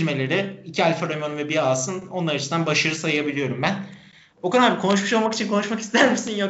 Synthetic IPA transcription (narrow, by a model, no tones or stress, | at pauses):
lʲme̞lʲe̞ɾɪicʰialʲfaɾomonvɛbiaːsɯno̞nlˠaɾat͡ʃʰɯsd̪anbaʃaɾɯsajɯjabilʲijo̞ɾumbæn | okʰad̪aɾbkʰonuʃ̬muʃo̞lˠmaki̥t͡ʃʰinkʰo̞nuʃmaki̥st̪ʰæɾmisinjo